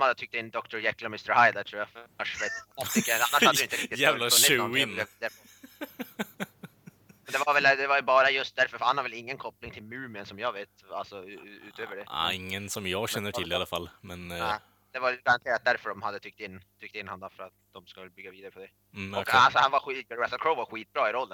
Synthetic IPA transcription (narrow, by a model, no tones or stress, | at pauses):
ɔmhad̪ːət̪ʰʏk̚t̪ɪnːd̪ɔkt̪ʊɾjɛkːlamɪst̪əɾhaɪd̪at̪ʰɾuːjafaʂvet̪t̪ʰkːəanːaʂhad̪d̪ʏɪnɾɪkt̪ɪælaʉɪnb̪ɡːaviːd̪aɾəɔ | mɛnd̪ɛvaɾvɛld̪ɛvajʉbɑːɾajɵst̪̚d̪æɾfœɾfœɾhanhaɾvɛlɪŋːənkʰɔplɪŋt̪ʰɪlmʉːmɪənsɔmjɑːɡveːt̪a̰lsɔʉ̰ːt̪ʰøːvəɖɛ̰ɪŋːənsɔmjɑːɡɕɛnːəʈʰɪlːɪalafalːmɛnɛ | d̪̥ɛvaɡaɾant̪ʰeːɾat̪̚d̪æɾfœɖɔmhad̪ːət̪ʰʏkt̪ɪnːt̪ʰʏk̚t̪ɪnːhand̪afœɾat̪d̪̥ɔmskalbʏɡːaviːd̪aɾəpɔd̪ɛ | ɔkalsɔhanvaɧiɾasəlkʰɾoʊvaɾɧiːt̪̚bɾɑːɪɾɔlːən